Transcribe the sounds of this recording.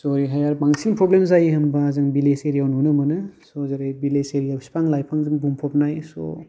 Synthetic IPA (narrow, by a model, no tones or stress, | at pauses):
sɔɾiɦajaɾbaŋsiŋpɾɔblemzajiɦɐmbaːzɯŋbileseɾijawnunɯmɯnɯsɔzaɾajbileseɾijawsi̥pʰaŋlajpʰaŋzɯŋbumpʰɔp̚najsɔ̰